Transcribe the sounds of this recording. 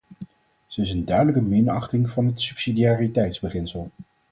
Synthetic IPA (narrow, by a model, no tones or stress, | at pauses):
z̥əɪs̬əndœɥdələkəmɪnɑχtɪŋvɑnɦətsypsidiaːritɛjtzbəχɪnsəlˠ